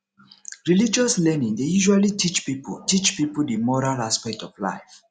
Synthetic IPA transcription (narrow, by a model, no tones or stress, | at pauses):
ɹilid͡ʒɔslɛnĩŋdejuʒwalitʰit͡ʃpipṵtit͡ʃpipudimɔɹalaspɛk̚tɔvla̰ɪf